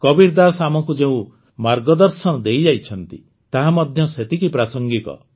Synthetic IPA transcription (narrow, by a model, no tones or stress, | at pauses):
kɔbiɾd̪asamɔkud͡ʒeũ | maɾɡɔd̪ɔɾsɔnɔd̪ejd͡ʒajt͡ʃʰɔnt̪ḭ | t̪aɦamɔd̪ʱjɔset̪ikipɾasɔŋɡit̪ɔ̰